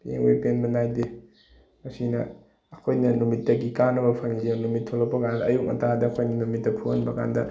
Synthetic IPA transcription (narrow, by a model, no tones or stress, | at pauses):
pḛŋwepenbɐnajde | mɐsinɐː | kʰojnɐnumitːɐɡikanɐbɐpʰɐŋizenumitʰːolɐk̚pːɐkandɐːjuk̚mɐ̰tʰadɐːkʰojnɐnumit̚ːɐpʰuɐnbɐkʰa̰ndɐ